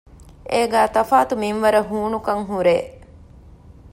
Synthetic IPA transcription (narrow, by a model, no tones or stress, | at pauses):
ʔeːɡæːt̪ɐfaːt̪umimʋɐɾəɦuːnukɐŋɦuɾeː